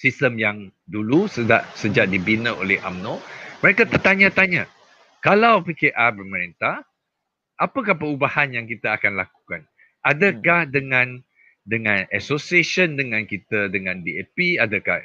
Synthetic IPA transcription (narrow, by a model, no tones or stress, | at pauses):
sist̪əmjaŋdulusəda̰ʔsəd͡ʒaʔ̚dibinəʔo̰lɛhʔa̰mnõməɾekat̪ət̪aɲãt̪aɲa | kalawpikeʔarbərməɾint̪ah | ʔapəkahpəɾubahanjaŋkit̪əːkanlaku̥kan | ʔadəkahdəŋãn | dəŋãnɛsosieʃəndəŋãnkit̪ədəŋãndiepiadəka̰h